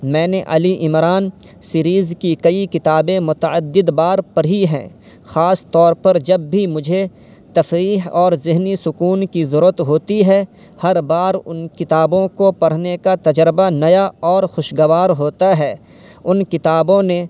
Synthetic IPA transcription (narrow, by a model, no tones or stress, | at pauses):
mɛ̃ːneʔɐ̰liʔɪmɾaːn | siɾiːzkikɐikɪt̪aːbẽmʊt̪əəd̪ːɪd̪baːɾpɐɽ̤iɦɛ̰̃ː | xaːst̪ɔːɾpɐɾd͡ʒɐbːʱimʊd͡ʒʱe | t̪ɐfɾiːɦɔːɾzɪɦnisʊkuːnkizɐɾuːət̪ɦoːt̪iɦɛː | hɐɾbaːɾʊnkɪt̪aːbõkopɐɽ̤nekat̪ɐd͡ʒɾɪbanɐjaɔːɾxʊʃɡɐʋaːɾɦoːt̪aɦɛː | ʊnkɪt̪aːbõnẽ